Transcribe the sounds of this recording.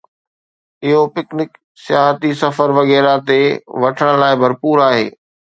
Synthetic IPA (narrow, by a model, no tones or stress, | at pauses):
ɪɦopɪknɪk | sɪjaːɦət̪isɐfəɾʋɐɣɛːɾat̪eʋɐʈʰəɽ̃laːɪbʱɐɾpuːɾaːɦḛː